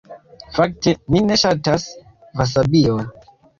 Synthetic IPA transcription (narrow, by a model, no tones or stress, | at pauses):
fak̚te̞nine̞ʃatas | vas̬abion